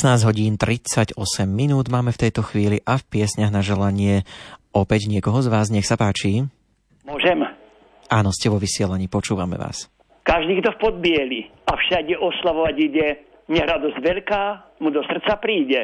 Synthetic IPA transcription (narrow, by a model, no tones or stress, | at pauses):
naːzɟɦɔɟiːnt̪ɾit͡saɟɔsɛmːinuːd̪maːmɛft̪ɛjt̪ɔxʋiːliʔafpɪɛsɲaɦɣnaʒɛlaɲɪɛɔpɛɟɲɪɛkɔɦɔzʋaːzɲɛxsapaːt͡ʃi | mʊɔʒɛm | aːnɔscɛʋɔʋisɪɛlaɲiːpɔt͡ʃuːʋamɛ̰ʋa̰ːs | kaʒd̪iːɡd̪ɔfpɔd̪̚bɪɛliafʃaɡɛʔɔslaʋɔʋaɟiɟɛ | ɲɛɦɾad̪ɔzɟʋɛʎkaː | mud̪ɔsr̩t̪t͡sapɾiːɟɛ